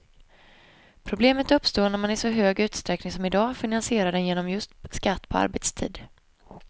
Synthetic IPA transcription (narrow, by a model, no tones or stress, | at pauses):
pʰɾʊbleːmət̪ɵpːst̪oːnæɾmanɪsɔɦøːɡʉ̟ːt̪st̪ɾɛknɪŋsɔmɪd̪ɑːfɪnansɪeːɾad̪ɛnjeːnɔmjɵst̪skat̪ːpʰɔa̰ɾbɛt̪st̪ʰḭːd̪